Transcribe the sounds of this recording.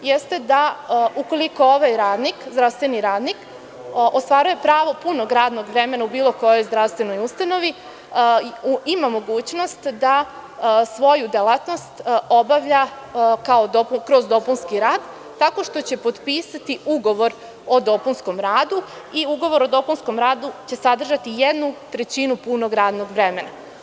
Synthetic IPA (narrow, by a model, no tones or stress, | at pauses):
jest̪e̞d̪auko̞lˠiko̞oʋajɾaːd̪nikzd̪ɾaʋst̪ʋe̞niɾaːd̪nik | ʔost̪ʋaːɾujepɾaːʋo̞puno̞ɡɾaːd̪no̞ɡʋɾe̞me̞naubiːlo̞ko̞jo̞jzd̪ɾaʋst̪ʋe̞no̞just̪ano̞ʋi | imamo̞ɡuːt͡ɕno̞st̪d̪a | sʋo̞jud̪elaːt̪no̞st̪obaʋʎa | kaod̪opukɾozd̪o̞punskiɾaːd̪ː | ako̞ʃt̪o̞t͡ɕe̞po̞d̪piːsat̪iuɡo̞ʋo̞ɾ | o̞d̪o̞punsko̞mɾaːd̪u | iuɡo̞ʋo̞ɾo̞d̪o̞punsko̞mɾaːd̪ut͡ɕe̞sad̪r̩ʒat̪ijed̪nut̪ɾe̞t͡ɕinupuno̞ɡɾaːd̪no̞ɡʋɾe̞me̞na